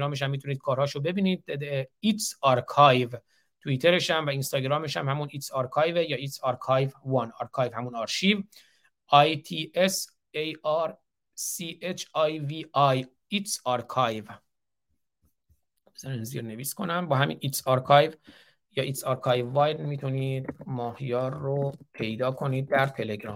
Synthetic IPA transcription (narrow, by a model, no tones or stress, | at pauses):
ɾɒːmeʃ̬æmːit̪ʰuniːd̪̚kʰɒːɾhɒːʃobe̞biːniːd̪̚d̪ed̪eit̪sɒːɾkʰɑjv | t̪ʰuiːt̪ʰeɾeʃæmvæinst̪ɒːɟɾɒːmeʃæmhæmunit̪sɑːɾkʰɑːjvejɒːiːt̪sɑːɾkʰɑjvvɒnɒːɾkʰɑːjvhæmunɒːɾʃiːv | ʔɑjt̪ʰiːes | ejæɾ | siːʔet͡ʃʰɑjviɑj | it̪sɒːɾkʰɑjv | zɒninzḭːɾne̞viːskʰo̞næmbɒːɦæmḭnʔit̪sɒːɾkʰɒjv | jɒːʔit̪sɒːɾkʰɒːjvːɒːjd̪mit̪ʰuniːd̪mɒːhjɒːɾːopʰe̞jd̪ɒːkʰo̞niːd̪̚ːæɾt̪ʰe̞le̞ɡɾɒ̰ːm